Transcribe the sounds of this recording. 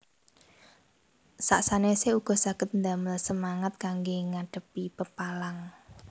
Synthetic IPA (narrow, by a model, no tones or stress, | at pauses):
sa̰ʔsaneseuɡ̥ɔ̤saɡ̥ət̪̚nd̪aməlsəmaŋat̪̚kaŋɡeŋaɖ̥ə̤pipəpalaŋ